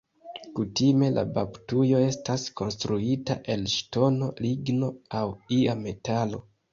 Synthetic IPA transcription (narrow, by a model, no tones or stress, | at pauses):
kutime̞la̰baptujo̞e̞stasko̞nstɾuita̰ʔe̞lʃto̞no̞liɡno̞awiame̞talo̞̰